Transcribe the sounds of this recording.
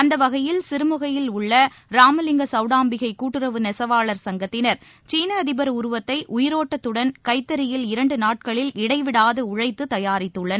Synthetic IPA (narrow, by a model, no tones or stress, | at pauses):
ɐnd̪ɐʋɐɣɐjɪlsɪɾɯmɯɣɐjɪlʊɭːɐ | ɾaːmɐlɪŋɡɐsɐʊɽaːmbɪɣɐɪkːuːʈːɯrɐʋɯnɛsɐʋaːɭɐɾsɐŋɡɐt̪ːɪnɐɾ | t͡ʃiːnɐːðɪbɐɾʊɾʊʋɐt̪ːɐɪʔʊjɪɾoːʈːɐt̪ːɯɽɐnkɐɪt̪ːɐɾɪjɪlɪɾɐɳɖɯnaːʈ̚kɐɭɪlɪɽɐɪʋɪɽaːðɯʊɻɐɪt̪ːɯt̪ːɐjaːɾɪt̪ːɯɭːɐn